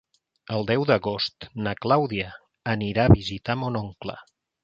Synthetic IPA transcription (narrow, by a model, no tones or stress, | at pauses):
əlˠd̪ɛwd̪əɣost̪nəklawðiə | əniɾaːβizit̪amonoŋklə̰